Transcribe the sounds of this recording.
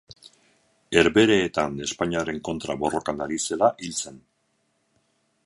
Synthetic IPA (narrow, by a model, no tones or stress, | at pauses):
e̞ɾβe̞ɾe̞ːt̪ane̞spaɲiaɾe̞ŋko̞nt̪ɾaβo̞ro̞kanaɾise̞laʔilt͡se̞n